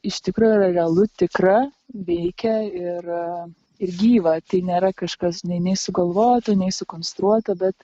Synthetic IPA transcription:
ɪʃt̪ʲɪkɾuːjʊiɾɐrʲɛɐlˠʊt̪ʲɪkɾɐ | ʋʲɛɪkʲɛɪr | ɪrɡʲiːʋɐt̪ɐɪnʲeːɾɐkɐʃkɐsnʲɛɪnʲɛɪsʊɡɐlˠʋoːt̪onʲɛɪsʊkoːnst̪ɾuɔt̪ɐbʲɛt̪

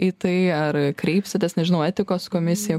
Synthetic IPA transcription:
iːt̪ɐɪɐɾkɾʲɛɪpʲsʲɪt̪ʲesnʲɛʒʲɪnɐʊɛt̪ʲɪkoːskoːmʲɪsʲɪjɛ

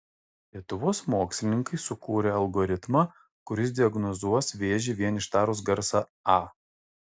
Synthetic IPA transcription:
lʲiɛt̪ʊʋoːsmoːksʲlʲɪnʲɪŋkɐɪsʊkuːɾʲeːɐlˠɡɔɾʲɪt̪mɑ | kʊɾʲɪs̬d̪ʲɪɐɡnɔzuɔsʋʲeːʒʲɪʋʲiɛnɪʃt̪ɑːɾʊsɡɐɾsɑ | ɑː

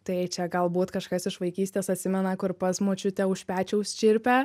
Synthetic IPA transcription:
t̪ɐɪt͡ʃʲɛɡɐlˠbuːt̪kɐʃkɐsɪʃʋɐɪkʲiːsʲt̪ʲeːsɐt̪ʲsʲɪmʲɛnɐkʊɾpɐsmoːt͡ʃʲʊt̪ʲɛʊʃʲpʲæːt͡ʃʲɛʊsʲt͡ʃʲɪɾʲpʲɛ

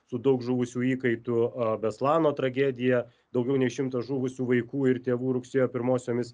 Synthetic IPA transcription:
sʊd̪ɐʊkʒʊʋʊsʲuːiːkɐɪt̪ʊbʲɛslˠɑːnoːt̪ɾɐɡʲæːd̪ʲɪjɛ | d̪ɐʊɡʲɛʊnʲɛɪʃʲɪmt̪ɐʒuʋʊsʲuːʋɐɪkuːɪɾt̪ʲeːʋuːɾʊksʲeːjoːpʲɪɾmoːsʲoːmʲɪs

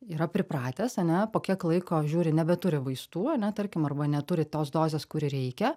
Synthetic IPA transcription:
iːɾɐpʲɾʲɪpɾɑːt̪ʲeːsɐnʲɛpoːkʲiɛklˠɐɪkoːʒʲuːɾʲɪnʲɛbʲɛt̪ʊɾʲɪʋɐɪst̪uːɐnʲɛt̪ɐɾʲkʲɪmɐrbɐnʲɛt̪ʊɾʲɪt̪oːsd̪oːzʲeːskʊɾʲɪɾʲɛɪkʲɛ

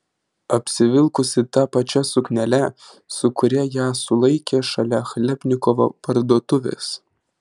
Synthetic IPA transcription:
ɐpʲsʲɪʋʲɪlˠkʊsʲɪt̪ɐpɐt͡ʃʲɛsʊknʲɛlʲɛ | sʊkʊɾʲɛjæːsʊlˠɐɪkʲeːʃɐlʲɛxlʲɛpʲnʲɪkɔʋo̰pɐɾd̪uɔːt̪ʊʋʲɛ̰s

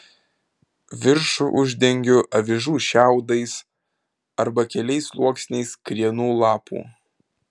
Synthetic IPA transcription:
ʋʲɪɾʃʊʔʊʒʲd̪ʲɛŋʲɡʲʊʔɐʋʲɪʒuːʃʲæˑʊd̪ɐɪs | ɐɾbɐkʲɛlʲɛɪslˠuɔksʲnʲɛɪskɾʲiɛnuːlˠɑːpṵː

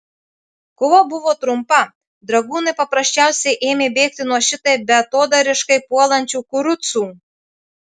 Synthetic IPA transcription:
koʋobʊʋoːt̪ɾʊmpɐ | d̪ɾɐɡuːnɐɪpɐpɾɐʃʲt͡ʃʲæˑʊsʲɛɪʔeːmʲeːbʲeːk̚t̪ʲɪnuɔʃʲɪt̪ɐɪbʲɛɐt̪oːd̪ɐɾʲɪʃkɐɪpuɔlˠɐnʲt͡ʃʲuːkʊɾʊt̪suː

